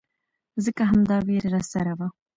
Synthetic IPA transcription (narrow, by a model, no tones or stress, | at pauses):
zəkaɦamd̪ɑweɾɾasaɾawa